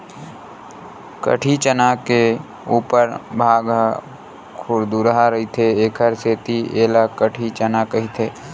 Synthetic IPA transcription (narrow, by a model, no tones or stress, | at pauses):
kə̰ʈʰit͡ʃənake | uːpəɾbʱaːɡ | kʰʊɾd̪uɾɦaɾəɦit̪ʰeeːkʰəɾseːt̪ʰieːlakəʈʰit͡ʃənakəɦit̪ʰeː